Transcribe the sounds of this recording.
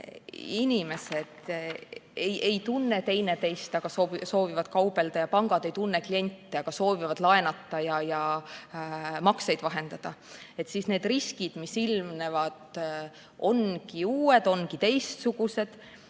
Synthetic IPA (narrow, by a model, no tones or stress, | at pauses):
inʲime̞sed̪̥ | ejʔe̞jt̪unːe̞t̪e̞jne̞t̪e̞jst̪ɑɡ̥ɑsoviso̞ːvivɑd̪̥̚kɑwb̥e̞ld̪̥ɑjɑpɑŋɡ̥ɑd̪e̞jt̪unːeklie̞nʲt̪ˑːiɑɡ̥ɑso̞ːvivɑd̪̥lɑenɑt̪ˑːɑjɑjɑ | mɑkse̞jd̪̥vɑɦe̞nd̪ɑd̪̥ɑ | e̞t̪ːsiːsne̞ːd̪̥riskid̪̥misilmnevɑd̪̥ | o̞̰nkiuːed̪̥o̞nkit̪e̞jst̪suɡ̥use̞d̪̥